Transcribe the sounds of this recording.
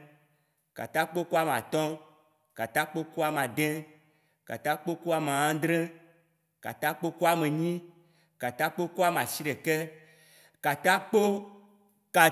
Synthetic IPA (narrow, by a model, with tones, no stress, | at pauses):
ka̰˨t̪a˦k͡po˦ku˦a˦m˨a̰˨t̪ɔ̃˦ | ka˨t̪a˦k͡po˦ku˦a˨m˨ã˨d̪ɛ̃˦ | ka̰˨t̪a˦k͡po˦ku˦a˦m˨a˨ã˦d̪ɾẽ˦ | ka̰˨t̪a˦k͡po˦ku˦a˦me˨ɲĩ˦ | ka˨t̪a˦k͡po˦ku˦a˦m˨a˨si˦ɖe˨kɛ˦ | ka˨t̪a˦k͡po˦ | ka˨